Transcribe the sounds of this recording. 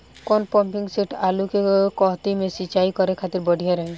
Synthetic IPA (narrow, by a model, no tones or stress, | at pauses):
kɔnpɔ̃mpɪŋɡseʈʰalukekɔɦt̪imẽsit͡ʃaikɔɾekʰat̪ɪɾbɔɖʱijaɾɛɦẽ